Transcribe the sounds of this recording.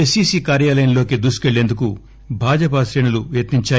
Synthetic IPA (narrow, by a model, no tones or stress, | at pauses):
esiːsiːkaːɾjaːlɐjɐnlo̞ːkid̪usu̥ke̞ɭːe̞nd̪uk̬u | bʱaːd͡ʒɐp̬ɐsɾeːɳuluʋjɐt̪iɲt͡ʃaː